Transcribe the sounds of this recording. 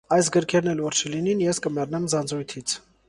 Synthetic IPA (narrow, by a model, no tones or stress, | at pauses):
ɑjsɡəɾkʰɛɾnɛlvɔɾt͡ʃʰəlininjɛskəmɛrnɛmzɑnd͡zɾujt̪ʰit͡sʰ